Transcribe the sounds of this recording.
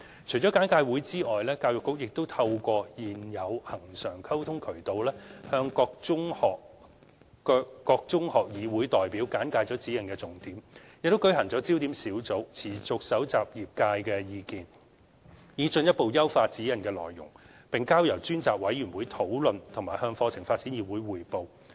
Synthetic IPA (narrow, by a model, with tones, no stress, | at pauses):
t͡ʃʰɵ˨˩jt͡ʃɔː˨˥kaː˨˥nkaː˧jwuː˨˥jt͡siː˥ʔɔː˨jlɛː˥kaː˧wjʊ˨kːʊ˥k̚jɪ˨k̚t̪o˥wt̪ʰɐ˧wkʷɔː˧jiː˨˩njɐ˨˧whɐ˨˩ŋsœː˨˩ŋkʰɐ˥wt̪ʰʊ˥ŋkʰɵ˨˩t̪o˨˧wlɛː˥hœː˧ŋkɔː˧k̚ʊ˥ŋɔː˨k̚ː | kɔː˧k̚t͡sʊ˥ŋhɔː˨k̚jiː˨˧wuː˨˥jt̪ɔː˨jpiː˨˥wkaː˨˥nkaː˧jt͡sɔː˨˥t͡siː˨˥jɐ˨˩nkɛː˧t͡sʊ˨ŋt̪iː˨˥mjɪ˨k̚t̪o˥kɵ˨˥ɥhɦɐ˨˩ŋt͡sɔ˨˥t͡siː˥wt̪iː˨˥msiː˨˥wt͡so˨˥wt͡sʰiː˨˩t͡sʊ˨k̚sɐ˨˥wt͡saː˨p̚jiː˨p̚kaː˧jkɛː˧jiː˨kiː˨n | jiː˨˧t͡ʃɵ˧njɐ˥t̚po˨wjɐ˥wfaː˧t̚t͡siː˨˥jɐ˨˩nkɛː˧lɔ̰ː˨˩jːʊ̰˨˩ŋ | pɪ˨ŋkaː˥wjɐ˨˩wt͡ʃyː˥nt͡saː˨k̚wɐ˨˥jyː˨˩nwuː˨˥jt̪ʰo˨˥wlɵ˨nt̪ʰʊ˨˩maː˨˩hœː˧ŋfɔː˧t͡sʰɪ˨˩ŋfaː˧t̚t͡siː˨˥njiː˨˩wu˨˥jwuː˨˩jpo˨˧w